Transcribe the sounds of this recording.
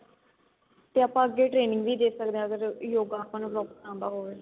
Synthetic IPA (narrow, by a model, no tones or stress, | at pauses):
t̪eːaːpãːəɡːeːʈɾeːnɪ̃ŋɡʋiːd̪eːsək̚d̪eãəɡəɾjoːɡaːpənlɔːkãːnd̪aːɦoːʋeː